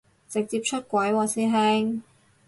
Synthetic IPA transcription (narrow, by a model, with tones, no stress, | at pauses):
t͡sɪ˨k̚t͡siː˧p̚t͡ʃʰɵ˥t̚kʷɐ˨˥jwɔː˨˧siː˥ɦɛː˥ŋ